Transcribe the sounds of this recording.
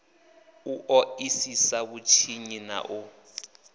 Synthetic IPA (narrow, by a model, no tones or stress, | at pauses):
uʔɔisisaβut͡ʃʰiɲina̰ʔu